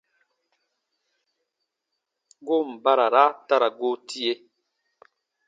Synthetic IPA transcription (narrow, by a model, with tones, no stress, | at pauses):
ɡo˦m̩˨ba˦ɾa˨ɾa˦ta˦ɾa˨ɡo˦tʰi˦e˦